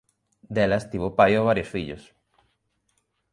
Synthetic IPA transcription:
d̪ɛlɐst̪iβopajoβaɾjosfiʎʊ̰s

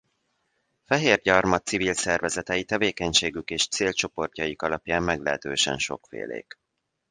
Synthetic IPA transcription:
fɛɦeːrɟɒrmɒt̪sivilsɛrvɛzɛt̪ɛjit̪ɛveːkɛɲʃeːɡykeːʃt̪seːlt͡ʃo̞po̞rcɒjikɒlɒpjaːmːɛɡlɛɦɛt̪øːʃɛ̰nʃo̞̰kfḛːlḛːk

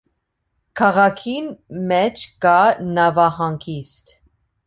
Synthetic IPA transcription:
kʰɑʁɑkʰinmɛt͡ʃʰkɑnɑvɑhɑŋkʰist̪

